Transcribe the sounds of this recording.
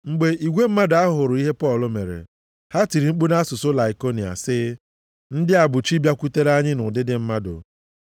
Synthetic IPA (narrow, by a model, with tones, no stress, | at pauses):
ŋ͡m̩˨ɡ͡be˨i˨ɡʷe˦m̩˦ma˦dʊ˨a˦ɦʊ˨ɾʊ˨i˦ɦe˦pɔ˦˨lʊ˦me˨ɾḛ˨ | ha˦ti˨ɾi˨ŋ͡m̩˦k͡pu˦na˦sʊ˨sʊ˦la˨i˨ko˦ni˨a̰˨sɪ˦ | n̩˦dɪ˦a˨bʊ˨t͡ʃi˦bja˦kʷu˦te˦ɾa˦ɲɪ˦nʊ˨dɪ˦dɪ˦m̩˦ma˦dʊ̰˨